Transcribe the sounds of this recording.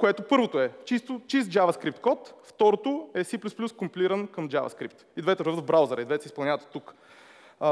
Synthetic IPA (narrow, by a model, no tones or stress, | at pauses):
koɛt̪opɤɾvot̪oɛt͡ʃist̪ot͡ʃist̪̚d͡ʒavɐskɾip̚t̪kɔt̪ft̪ɔɾot̪oɛsiplʲusplʲuskʊmpiliɾənkəmd͡ʒa̰vɐ̰skɾip̚t̪id̪vɛt̪ɛɾəvət̪vbɾawzɛɾɐid̪vɛt̪ɛsɛispɐlˠnʲavət̪t̪ːuk